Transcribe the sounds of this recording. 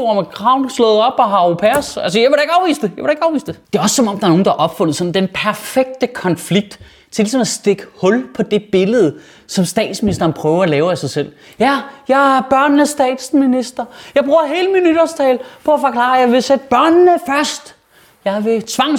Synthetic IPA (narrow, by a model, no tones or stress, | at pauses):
oɐmekʰʁɑ̈ʊ̰nslɔ̽ːð̩ˠɒ̽b̥ɒɦɑ̈opʰæɐsælsəjaʋe̝ɾɑe̝ɡ̥ɑ̈ʊʋḭːsd̥ejɑʋe̝ɾɑe̝ɡ̥ɑ̈ʊʋḭːsd̥ed̥e̝ɒ̽ssɒ̽mɒ̽m̰d̥ɑɐno̝ːn̩d̥ɑʔɒ̽b̥fɔ̽n̰ð̩ˠsɒ̥̽n̩d̥enpʰæɐfeɡ̥̚d̥əkʰɒ̽nfliɡ̥̚d̥ | t͡sʰe̝lisɒ̽mæsd̥e̝ɡ̥əhɔ̽lpʰɒ̽d̥e̝b̥e̝ləð̞̩ˠ | sɒ̽msd̥ɛ̰ːd̥sminisd̥ɐːnpʰʁœːʊɐælɛːʊæsɑ̈ɪsel̰ | jæjɑ̈ɪɐb̥ɶɐ̰nnəsd̥ɛ̰ːd̥sminisd̥ɐjɑ̈ɪb̥ʁuːɐɦe̝ːləminyd̥ɐst͡sʰɛːlpʰɒ̽æfɒ̽kʰlɑ̰̈ːjɑ̈ɪʋe̝sed̥̚b̥ɶɐ̰nːəfɶɐsd̥ | jɑ̈ɪʋe̝t͡sʰʋɑ̈ŋ